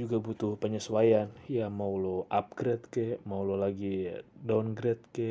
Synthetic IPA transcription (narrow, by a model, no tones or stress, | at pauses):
d͡ʒuɡabut̪ʊhpəɲəswajanjamauloʔap̚ɡɾɛt̪̚kemaulolaɡidanɡɾɛt̪̚ke